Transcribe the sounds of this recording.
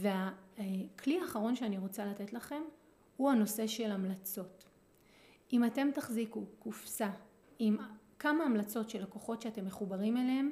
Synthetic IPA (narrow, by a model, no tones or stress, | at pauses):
ve̞a | kʰliaːχaʁ̞o̞nʃeaniʁo̞t͡salate̞tlaχe̞m | huhano̞se̞ʃe̞lamlat͡so̞t | imate̞mtaχzikukufsa | im | kamaːmlat͡so̞tʃelakoχo̞tʃeate̞mːe̞χubaʁimelehem